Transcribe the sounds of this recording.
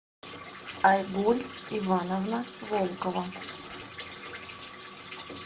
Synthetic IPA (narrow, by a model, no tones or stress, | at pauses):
ajɡulʲivanɐvnɐvɔlˠkɔvɐ